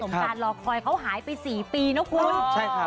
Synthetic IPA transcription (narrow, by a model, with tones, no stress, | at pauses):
o˨˩˦m˧kaː˧nlɔː˧˩kʰɔː˧jkʰa˦˥wɦaː˩˦jpa˧jsiː˨˩piː˧nɔ˦˥kʰuː˧˦t͡ɕʰa˥˩j